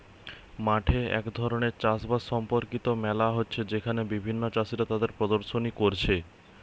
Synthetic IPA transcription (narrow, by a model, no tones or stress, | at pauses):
maʈʰeɛ̰kd̪ʱɔɾoneɾt͡ɕasbasʃɔmpoɾkit̪omɛlaɦotːɕʰed͡ʑekʰanebibʱinːot͡ɕasiɾat̪ad̪eɾpɾɔd̪oɾʃonikoɾt͡ɕʰe